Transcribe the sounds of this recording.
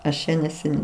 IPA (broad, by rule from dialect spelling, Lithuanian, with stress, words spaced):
ˈɐʃ t͡ʃʲɛ nʲɛsʲɛˈnʲɛɪ